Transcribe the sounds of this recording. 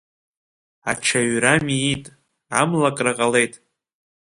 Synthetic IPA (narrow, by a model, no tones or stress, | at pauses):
a̰ʈ͡ʂʰaɥramiːtʼ | a̰mlakʼraqʼale̞jtʼ